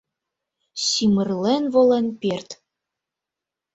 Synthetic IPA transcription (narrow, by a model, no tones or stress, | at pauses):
simərlenvolenpʲert̪